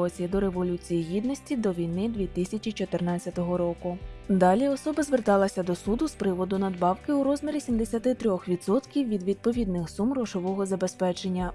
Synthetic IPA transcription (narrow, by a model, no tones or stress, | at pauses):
ɔt͡sʲijɐd̪ɔɾe̞ʋɔlʲut͡sʲijijid̪nɔsʲtʲid̪ɔʋʲijnɪd̪ʋʲit̪ɪsʲɐt͡ʃʲit͡ʃɔt̪ernɑt͡sʲːɐt̪ɔɦɔɾɔkʊd̪ɑlʲiɔsɔbɐzʋert̪ɑlˠɐsʲɐd̪ɔsud̪ʊspɾɪʋɔd̪ʊnɐd̪bɑwkɪuɾɔzmʲeɾʲisʲimd̪esʲɐt̪ɪt̪ɾʲɔxʋʲid̪sɔt̪kʲiwʋʲid̪ʋʲid̪̚pɔʋʲid̪nɪxsumrɔʒɔʋɔɦɔzɐbe̞spɛt͡ʃe̞nʲːɐ